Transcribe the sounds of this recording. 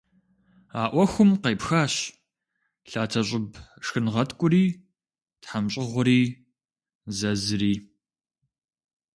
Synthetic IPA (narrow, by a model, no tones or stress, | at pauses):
aːʔʷɔxʷʊmqejpxaːɕ | ɬaːtʰɐɕʼɪbʂxɨnʁɐtʰkʷʼʊriː | tħamɕʼɪʁʷʊɾiː | zɐzɨriː